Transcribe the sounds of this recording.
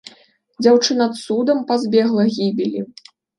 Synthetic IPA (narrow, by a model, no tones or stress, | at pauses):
d͡zʲawt͡ʂɨnat̪sud̪ɐmpazʲbʲɛɣlˠɐɣʲibʲilʲḭ